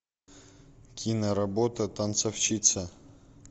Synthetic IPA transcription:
kʲʰinəɾɐbot̪ət̪ɐnt̪sɐft͡ɕit̪sə

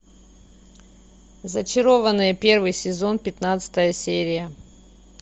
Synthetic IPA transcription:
zət͡ɕɪɾo̞vənːɨjəpʲe̞rvɨjsʲɪzo̞npʲɪt̪nat̪sɨ̥t̪əjəsʲeɾʲɪjə

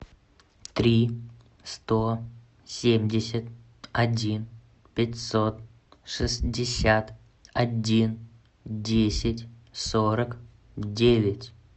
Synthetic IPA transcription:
t̪ɾʲi | st̪o | sʲemʲdʲɪsʲət̪̚ | ɐdʲin | pʲɪtʲsot̪̚ | ʂɨsdʲɪsʲat̪ | ɐdʲin | dʲesʲɪtʲsoɾək | dʲevʲɪtʲ

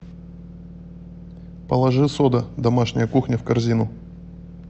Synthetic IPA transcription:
pəlˠɐʐɨsod̪əd̪ɐmaʂnʲɪjəkuxnʲəfkɐrzʲinʊ

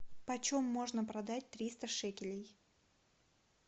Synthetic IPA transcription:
pɐt͡ɕomːo̞ʐnəpɾɐd̪at̚ʲt̪ɾʲist̪əʂɛkʲɪlʲɪj

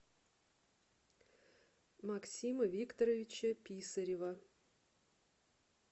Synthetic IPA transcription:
maksʲiməvʲikt̪ɐɾəvʲɪt͡ɕəpʲisɐɾʲɪvɐ

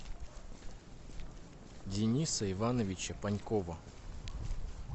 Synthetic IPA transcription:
dʲɪnʲisəɪvanəvʲɪt͡ɕəpɐnʲkovə

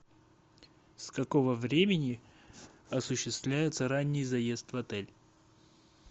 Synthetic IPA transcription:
skɐkovəvɾʲemʲɪnʲɪ | ɐsʊɕːɪst̪vlʲæjɪt̪səɾanʲːɪjzɐje̞st̪vɐt̪ɛlʲ

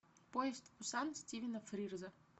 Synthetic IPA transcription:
poɪst̪ʊsansʲtʲivʲɪnɐfɾʲirzə

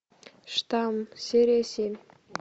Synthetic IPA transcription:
ʃt̪amseɾesin

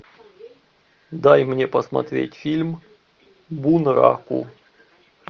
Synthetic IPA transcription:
d̪ajmnʲe̞pəsmɐ̰t̪ɾʲetʲfʲilʲm | bunɾa̰kʊ̰

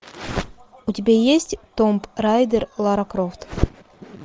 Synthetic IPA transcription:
ut̪ʲibʲejesʲtʲt̪ompɾajd̪ʲeɾlˠaɾakɾoft̪

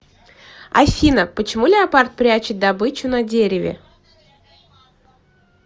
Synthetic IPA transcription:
a̰fʲinəpət͡ɕɪmulʲɪɐpart̪̚pɾʲat͡ɕɪt̪̚ʲd̪abɨt͡ɕʊnɐdʲeɾʲɪvʲɪ̰

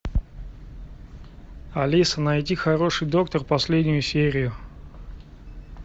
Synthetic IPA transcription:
ɐlʲisənɐjtʲixɐɾo̞ʂɨjd̪o̞kt̪ərpɐsʲlʲedʲnʲʊjʊsʲeɾʲɪjʊ

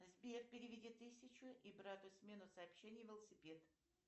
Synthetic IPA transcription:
zbʲerpʲɪɾʲɪvʲɪdʲit̪ːɨsʲɪt͡ɕʊʔibɾat̪ʊsʲmʲenʊsəːpɕenʲɪjvʲɪlˠəsʲɪpʲed̪

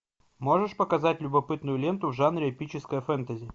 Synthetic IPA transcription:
mo̞ʐɨʂpəkɐzatʲlʲʊbɐpɨt̪nʊjʊlʲent̪ʊvʐanɾʲɪɐpʲit͡ɕɪskəjəfɛnt̪əzʲɪ

